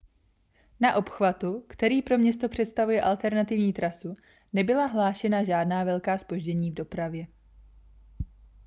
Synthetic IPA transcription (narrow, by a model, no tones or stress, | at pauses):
naʔo̞pxvat̪ukt̪ɛɾiːpɾo̞mɲɛst̪o̞pr̝̥ɛt̪st̪avujɛʔalt̪ɛɾnat̪ɪvɲiːt̪ɾasu | nɛbɪlaɦlaːʃɛnaʒaːdnaːvɛlkaːspo̞ʒɟɛɲiːvdo̞pɾavjɛ